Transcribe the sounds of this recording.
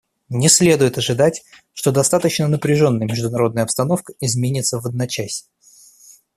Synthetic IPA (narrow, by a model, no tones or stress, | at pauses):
nʲɪsʲlʲe̞d̪ʊjɪt̪ɐʐɨd̪atʲ | ʂt̪o̞d̪ɐst̪at̪ət͡ɕnənəpɾʲɪʐo̞nːəjəmʲɪʐd̪ʊnɐɾo̞d̪nəjəɐpst̪ɐno̞fkə̥ɪzmʲenʲɪt̪səvɐd̪̚nat͡ɕasʲ